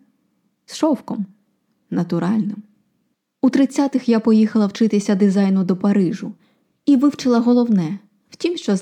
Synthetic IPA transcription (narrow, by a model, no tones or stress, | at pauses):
sʃɔwkɔm | nɐt̪ʊɾɑlʲnɪm | ut̪ɾɪt͡sʲːat̪ɪxjapɔjixɐlˠɐwt͡ʃɪt̪ɪsʲɐd̪ɪzɑjnʊd̪ɔpɐɾɪʒʊ | iʋɪwt͡ʃɪlˠɐɦɔlˠɔwnɛ | w̥tʲimʃt͡ʃɔz